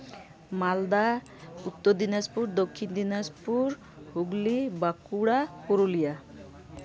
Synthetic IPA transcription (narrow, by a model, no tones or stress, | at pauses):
mald̪a | ut̪ːod̪inaspuɾd̪okʰːind̪inaspuɾ | ɦuɡlibakuɽapoɾulija